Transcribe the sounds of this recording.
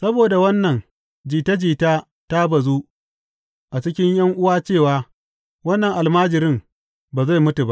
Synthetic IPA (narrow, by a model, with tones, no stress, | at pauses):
sɐ˦boː˨da˨wɐ˦nːɐ˨ŋ | d͡ʒiː˨ta˦d͡ʒiː˨taː˦ | ta˦bɐ˨zuː˦ | ʔa˨t͡ʃɪ˦kʲɪ˦ɲjɐ˦ŋʔʊ˦waː˦t͡ʃeː˦˨waː˦ | wɐ˦nːɐ˨ŋʔa˨lmaː˦d͡ʒɪ˨ɾɪ˦m | baː˨za˦˨jmʊ˦tu˨ba˦ʔ